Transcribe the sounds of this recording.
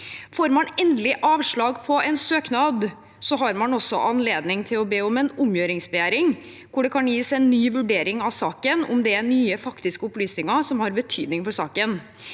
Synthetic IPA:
foːɾmɑnɛnd̪əlɪʔɑːʋʂɭɑːɡpʰɔɛnsøːknɑd̪ | sɔɦɑɾmɑnɔsːɔ̰ʔɑnleːd̪nɪŋt̪ʰɪlɔbeːɔmɛnʊmjøːɾɪŋsbɛjæːɾɪŋ | kʰʊɖɛkʰɑnjiːsɛnːyːʋʉɖeːɾɪŋɑʋsɑːkənʊ̰md̪ɛænyːəfɑkt̪ɪskəʊplyːsnɪŋɑsɔmhɑɾbət̪ʰyːd̪nɪŋfɔɾʂɑːkən

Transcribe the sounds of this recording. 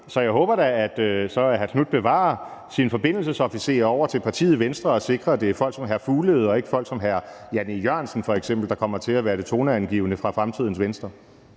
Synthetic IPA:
sɒ̽jɑ̈ɪɦɔ̰ːb̥ɐɾææd̥sɒ̽ɦæsʰnud̥̚b̥e̝ʋɑ̰̈ | sinfɒ̽b̥e̝n̰l̩səsɒ̽fise̝̰ːɐɒʊ̰ɐt͡sʰe̝lpʰɑ̈t͡sʰḭːð̩ˠʋensd̥ʁɐɒ̽se̝ɡ̥ʁɐæd̥e̝æɐfɒ̽l̰ɡ̥sɒ̽mɦæɐfuːləð̞̩ˠɒ̽e̝ɡ̥ə̥fɒ̽l̰ɡ̥sɒ̽mɦæɐ | jænijɶɐ̰nsn̩fɒ̽eɡ̥sem̰b̥l̩d̥ɑ̈kʰɒ̽m̰ɐt͡sʰe̝læʋæːɐd̥e̝t͡sʰo̝ːnæænɡ̥ḭːʊnəfʁɑ̈fʁamt͡sʰið̞̰ˠn̩sʋensd̥ʁɐ

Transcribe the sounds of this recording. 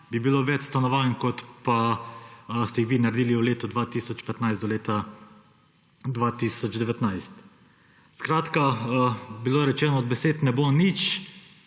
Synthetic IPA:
bibiloʋɛt͡ʃst̪anɔʋaːnkɔt̪pa | st̪ɛjixʋiːnaɾd̪iːliuleːt̪ɔd̪ʋaːt̪isɔt͡ʃpɛt̪najszɔleːt̪a | d̪ʋat̪isɔd͡ʒd̪ɛʋɛt̪najst̪ | skɾaːt̪ka | biloːɾɛt͡ʃɛːnɔːd̪̚bɛseːt̪nɛbonit͡ʃ

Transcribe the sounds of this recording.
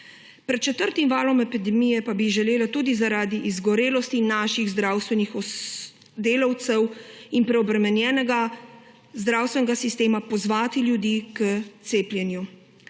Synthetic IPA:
pɾɛt̪̚t͡ʃɛt̪əɾt̪imvaːlɔmɛpid̪ɛmijɛpabiʒɛleːlat̪uːd̪izaɾaːd̪iʔizɡɔɾeːlɔst̪inaːʃiɣzd̪ɾaːwst̪ʋɛnixɔ | d̪eːlawt̪sɛwinpɾɛɔbɾɛmɛnjɛːnɛɡa | zd̪ɾaːwst̪ʋɛnɛɡasist̪eːmapɔzʋaːt̪iljud̪iːkət̪seːpljɛnju

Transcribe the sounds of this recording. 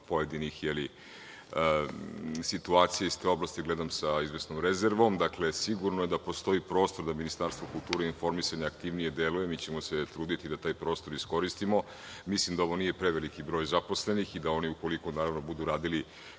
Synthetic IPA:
po̞je̞d̪inixjeli | sit̪uaːt̪sijeist̪e̞o̞blˠast̪iɡled̪amsaizʋesnomɾezeɾʋo̞md̪akle̞siɡuɾnoje̞d̪apo̞st̪o̞ipɾo̞ːst̪o̞ɾd̪aminist̪aɾst̪vokulˠt̪uːɾeinfo̞ɾmisaɲaakt̪iʋnije̞d̪eluje̞mit͡ɕemo̞set̪ɾuːd̪it̪id̪at̪aːjpɾo̞ːst̪o̞ɾisko̞ɾist̪imo̞ | mislimd̪ao̞ʋo̞nije̞pɾeʋelikibɾo̞ːjzapo̞sle̞nixid̪ao̞niuko̞likonaːɾaʋnobud̪uɾaːd̪ili

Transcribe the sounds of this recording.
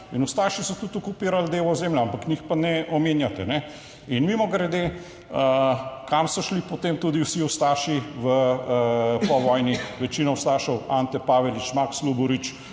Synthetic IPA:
inust̪aːʃisɔt̪ut̪ukupiːɾald̪eːʋɔzeːmljaampaknixpanɛʔɔmeːnjat̪ɛnɛ | inmimɔɡɾɛd̪e | əkamsɔʃlipɔt̪emt̪uːd̪iwsiust̪aːʃiʋə | pɔʋɔjniʋɛt͡ʃiːnɔwst̪aːʃɔwant̪ɛpaːʋɛlit͡ʃmakslubɔɾit͡ʃ

